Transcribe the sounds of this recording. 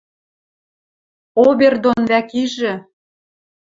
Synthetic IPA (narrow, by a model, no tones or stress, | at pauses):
oβerd̪onβækiʒĕ